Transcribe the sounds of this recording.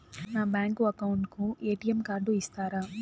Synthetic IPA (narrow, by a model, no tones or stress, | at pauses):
naːbaːŋkuɐkɐwuɳʈkuʔeːʈijɐmkaːɾɖuist̪aːɾaː